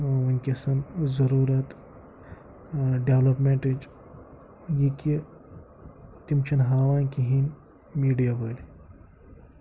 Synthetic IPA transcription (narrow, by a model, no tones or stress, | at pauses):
unʲkʲɐsɐnzɐɾuːɾɐt̪ | ɖeʋlɐpmẽɳʈid͡ʒ | jiki | t̪imt͡ʃʰinɦaːʋaːnkiɦin | miːɖijaboːli